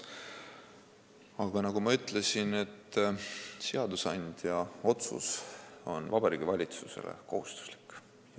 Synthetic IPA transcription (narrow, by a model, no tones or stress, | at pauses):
ɑɡ̥ɑnɑɡ̥umɑyt̪ˑlesine̞t̪ː | seɑd̪usɑnd̪̥jɑo̞t̪sṵso̞nvɑb̥ɑɾiːɡivɑlʲit̪suse̞̰lḛko̞ɦust̪u̥sli̥kːˑ